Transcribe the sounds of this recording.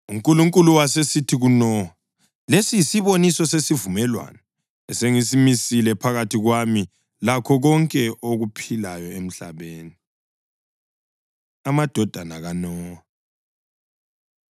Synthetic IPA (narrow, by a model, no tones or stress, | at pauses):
uŋkʼuluŋkʼuluwasesitʰiɣunɔa | lesijisiβonisɔsesivumɛlwa̰nɛ | ɛseŋisimisilɛpʰaɣatʰiɣwami | lakʰɔɣɔŋkʼɛʔoɣupʰilajɔem̩ɬa̰βeːni | amad̥ʱɔd̥ʱanaɣanɔːa